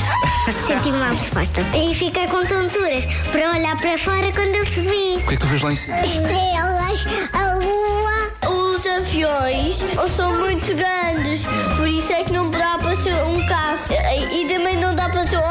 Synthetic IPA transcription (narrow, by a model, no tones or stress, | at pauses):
set̪ivumaʁɨʃpɔ̰ʃt̪ɐifikaɾkõnt̪õnt̪uɾɐʃ | pɐɾɐɔʎaɾpɐɾɐfɔɾɐkwɐ̃nd̪uelˠsuβiukɛk̚t̪ufɛʒlˠaisu̥ʃt̪ɾelˠɐʃ | ɐuɐ | uzɐ̃fjõj̃ʃ | osɐ̃w̃mũj̃t̪uɣɾɐ̃nd̪ɨʃ | pɔɾisuɛknɐ̃w̃pɨðapɾɐseɾũkaʃɐ | it̪̬ɐmɐ̃j̃nɐ̃w̃d̪apɾɐseɾ